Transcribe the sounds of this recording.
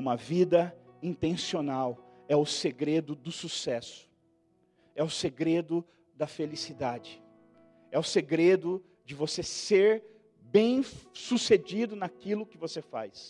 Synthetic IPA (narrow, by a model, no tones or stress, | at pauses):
ũmɐvid̪ɐĩt̪ẽsionaw | ɛʊseɡɾed̪ʊd̪ʊsusɛsʊ̥ | ɛʊseɡɾed̪ʊ | d̪ɐfelisid̪ad͡ʒɪ | ɛʊseɡɾed̪ʊ | d͡ʒɪvoseseɾ | bẽj̃sused͡ʒid̪ʊnɐkilʊkɪvosefa̰js